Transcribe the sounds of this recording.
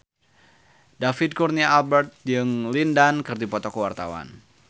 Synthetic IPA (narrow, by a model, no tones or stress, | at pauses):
dafid̪̚kurnialbɛrt̪̚jɨŋlindankɨrdipɔt̪ɔkəwart̪a̰wa̰n